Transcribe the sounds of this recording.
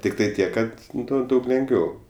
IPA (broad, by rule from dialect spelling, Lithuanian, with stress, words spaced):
tʲɪkˈtɐɪ ˈtʲiɛk ˈkɐt ˈnʊ ˈdɐʊk lʲɛŋɡˈʋʲɛʊ